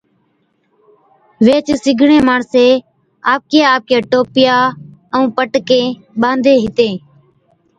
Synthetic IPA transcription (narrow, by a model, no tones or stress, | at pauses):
ʋeːt͡ʃsɪɡʱɳẽːmaːɳseː | aːp̚keːaːp̚keːʈoːpɪjaːəũːpəʈkẽː | ɓãːnd̪ʱeːɦɪt̪ẽː